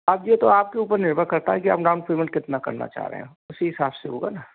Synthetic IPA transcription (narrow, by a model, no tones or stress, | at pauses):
ɐbjet̪oaːp̚keuːpəɾnɪɾbʱəkɐɾt̪aɦɛkia̰ːpɖaʊ̃nfɾiːmə̃ɳʈ̚kɪt̪nakɐ̰ɾna̰t͡ʃa̰ːɦɾḛɦɛ̰̃ | ʊsiɦɪsaːbseɦo̰ːɡana